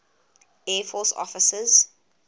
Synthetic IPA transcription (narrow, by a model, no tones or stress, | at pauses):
ɛːfɔsɔ̰fɪsəz